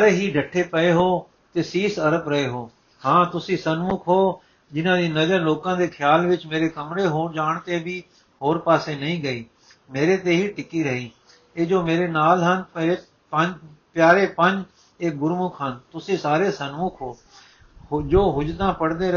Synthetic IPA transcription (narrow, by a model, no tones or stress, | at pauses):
ɾeɦiɖʱəʈʰepəeɦoː | t̪eːsiːsɐɾəpɾɐɦeɦoː | hãːt̪ʊsĩsənmʊkʰɦoː | d͡ʒɪnãːd̪iːnəd͡ʒəɾloːkãːd̪eːkʰjaːlʋɪt͡ʃmeːɾekəmɾeɦoːd͡ʒaːɽ̃t̪ebi | ɦoːɾpaːsenɐĩɡəiː | meːɾet̪eɦiʈɪkiɾəɦiː | eːd͡ʒoːmeːɾenaːlɦənpeɾe | pəpjaːɾepə̃ɲd͡ʒ | eːɡʊɾmʊkʰɦənt̪ʊsĩsaːɾesənmʊkʰɦoː | d͡ʒoːɦʊd͡ʒd̪ãːpəɽd̪eɾ